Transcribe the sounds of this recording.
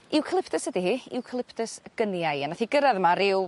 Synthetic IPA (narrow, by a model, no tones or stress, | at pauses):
ɪwkʰəlɪpʰtəsədihiːɪ̰wkʰəlˠɪptəsəɡ̥ənjaɨanaθiɡəɾaðəmaɾɪw